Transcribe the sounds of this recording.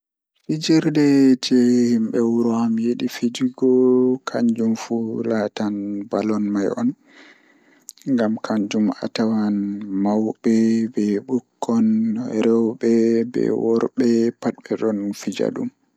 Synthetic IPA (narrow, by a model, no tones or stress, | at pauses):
fid͡ʒiɾdɛd͡ʒɛhimbɛwuɾɔhamjeɗifid͡ʒiɡɔkʰaɲd͡ʒumfulatanbalɔnmajɔ̰n | ŋɡamkʰaɲd͡ʒuma̰tawanmawɓɛbɛɓukːɔnɾɛwɓɛbɛ̰wɔɾbɛpat̚bɛɗɔnfid͡ʒa̰ɗṵm